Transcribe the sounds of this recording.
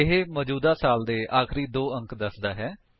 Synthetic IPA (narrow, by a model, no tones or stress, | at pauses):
ɪɦeːmɔːd͡ʒuːd̪aːsaːld̪eːʔaːxɾiːd̪oːə̃ŋkd̪əsd̪aːɦɛː